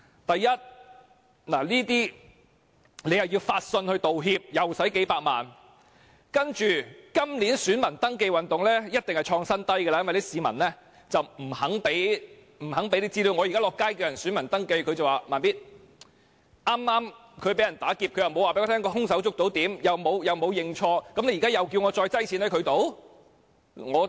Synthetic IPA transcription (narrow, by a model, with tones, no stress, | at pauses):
t̪ɐ˨jːɐ˥t̚ | laː˨˩liː˥t̪iː˥ | le˨˧jɐ˨wjiː˧wfaː˧t̚sɵ˧nhɵ˧t̪o˨wɦiː˧p̚jɐ˨˩wsɐ˨˥jke˨˥jpaː˧k̚ma̰ː˨n | kɐ˥nt͡ʃyː˨kɐ˥mli˨˥nsyː˨˥nmɐ˨˩nt̪ɐ˥ŋk̬e˧jwɐ˨nt̪ʊ˨˩ŋlɛː˥jɐ˥t̚t̪ɪ˨ŋhɐ˨˩jt͡ʃʰɔː˧ŋsɐ˥nt̪ɐ˥jkɛ˧aː˧˨jɐ˥nwɐ˨jlsiː˨˧mɐ̰˨˩nlɛː˥ | t͡sɐ˨wm̩˨˩hɐ˨˥ŋpe˨˥j | m̩˨˩ɦɐ˨˥ŋpe˧˥jli˥t͡siː˥li˨˧wŋɔ˨˧jkaː˥lɔː˨kːaː˥jki˧wjɐ˨˩nsyː˨˥nmɐ˨˩nt̪ɐ˥ŋke˧jkʰɵ˧t͡sɐ˨waː˨˩maː˨npiː˥t̚ | ʔaː˥mːaː˥m | kʰɵ˨˧ɥpe˨˥jɐ˨˩nt̪aː˨˥kiː˧p̚kʰjɐ˨wmo˨˧waː˨˩peː˥˧˥t̪ʰɛ˥ŋkɔ˧hʊ˥ŋs̬ɐ˨˥wt͡sʊ˥k̚t̪o˨˥wt̪iː˨˥mjɐ˨wmo˨˧wjɐ˨wmo˨˧wjɪ˨ŋt͡ʃʰɔː˧kɐ˨˥mne˧jkaː˥jɐ˨wki˧wŋɔː˨˧t͡sɔː˧jt͡sɐ˥jt͡sʰiː˨˥nhɐ˨˥jkʰɵ˨˧ɥt̪o˨˥w | ŋɔː˨˧